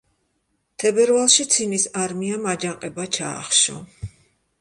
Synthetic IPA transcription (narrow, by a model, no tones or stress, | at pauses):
t̪ʰɛbɛɾvalˠʃit̪sʰinisaɾmiamad͡ʒaqʼɛbat͡ʃʰa̰ːχʃɔ̰